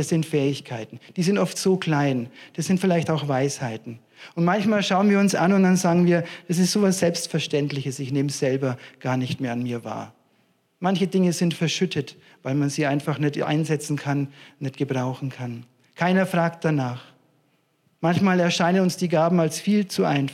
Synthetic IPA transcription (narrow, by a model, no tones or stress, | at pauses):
d̥asz̥ɪntfɛːɪçkʰaɪtn̩d̥iːzɪntʔɔftz̥oːkl̥aɪnd̥asz̥ɪntfɪlaɪçtaʊxvaɪshaɪtn̩ | ʊntmançmaːlʃaʊənviːɐʊnsʔa̰nʊntd̥anzaːɡŋ̩viːɐd̥as̬ɪstz̥oːvasz̥ɛlpstfɛɐʃtɛntlɪçəsɪçneːməz̥ɛlbɐɡ̥aːɐnɪçtmeːɐanmiːɐva̰ːɐ | mançədɪŋəzɪntfɛɐʃʏtʰət | vaɪlmanziːʔaɪnfaχnɛtʔa̰ɪnzɛt͡sn̩kʰannɛtɡ̥əbʁaʊxn̩kʰan | kʰaɪnɐfʁ̥aːk̚t̚d̥anaːχ | mançmaːlɛɐʃaɪnənʊnsd̥iːɡaːbm̩alsfiːlt͡suʔa̰ɪn